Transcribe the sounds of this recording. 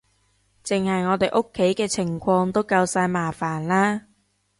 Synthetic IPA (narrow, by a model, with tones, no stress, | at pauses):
t͡sɪ˨ŋhɐ˨jŋɔː˨˧t̪e˨˩jʔo˥kʰːe˨˥jkɛː˧t͡sʰɪ˨˩ŋkʰɔː˧ŋt̪o˥wkɐ˧wsaː˧jmaː˨˩faː˨˩nlaː˥